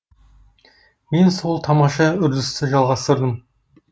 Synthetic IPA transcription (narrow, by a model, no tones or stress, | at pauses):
me̞nso̞lˠt̪ʰɑmɑʃɑʏɾd̪ɪst̪ɪʒɑlˠʁɑst̪əɾd̪əm